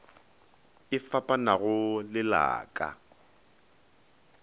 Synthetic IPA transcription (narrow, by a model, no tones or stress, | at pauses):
ɪfapʼanaɣʊlɪla̰ːkʼa̰